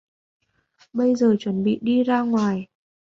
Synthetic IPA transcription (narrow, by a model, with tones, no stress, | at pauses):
ɓə˧jzəː˨˩t͡ɕwə˨˦nɓḭ˧˨ɗi˧zaː˧ŋwaː˨˩j